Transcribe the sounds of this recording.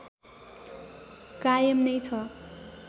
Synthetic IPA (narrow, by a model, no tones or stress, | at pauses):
kajʌmnʌjt͡sʰʌ